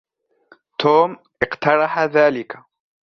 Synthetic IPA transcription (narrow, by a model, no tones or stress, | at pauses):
t̪oːm | ʔɪqt̪ɑɾˤɑħaðaːlɪkḁ